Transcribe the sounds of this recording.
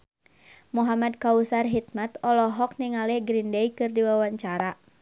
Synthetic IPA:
muɦamad̚kausarɦit̪̚mat̪ɔlɔɦɔk̚niŋalɛhɡɾindejkɨrdiwawaɲt͡ʃaɾa

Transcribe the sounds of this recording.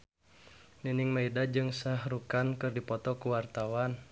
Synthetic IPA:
ninɪŋmaidad͡ʒɨŋsahrukankɨrdipɔt̪ɔkuwart̪awan

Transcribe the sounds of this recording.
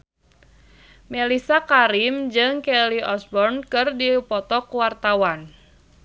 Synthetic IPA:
melisakaɾimd͡ʒɨŋkɛliʔɔsbɔrnkɨrdipɔt̪ɔkwart̪awan

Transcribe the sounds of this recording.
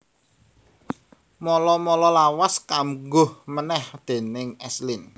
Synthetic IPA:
mɔlɔmɔlɔlawaskamɡʊhmənɛhd̪̥e̤nɪŋɛslin

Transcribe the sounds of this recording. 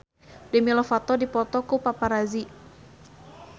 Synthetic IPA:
dɛmilɔfat̪ɔdipɔt̪ɔkupapaɾazi

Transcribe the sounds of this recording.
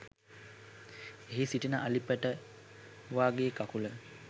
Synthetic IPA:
eɦisiʈinəʔalipəʈə | ʋaːɡeːkakulə

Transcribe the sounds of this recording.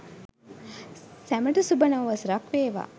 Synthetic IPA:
sæməʈəsubənaʋʋɐsɾakʋeːʋa̰

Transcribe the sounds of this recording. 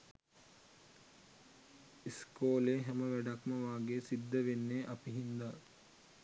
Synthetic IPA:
iskoːleːɦæməʋæɖakməʋaːɡeːsid̪ːəʋenːeːʔɐpiɦind̪a

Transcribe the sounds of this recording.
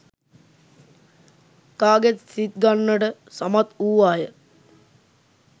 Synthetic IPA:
kaːɡet̪sit̪̚ɡanːəɖə | samat̪uːʋaːjə

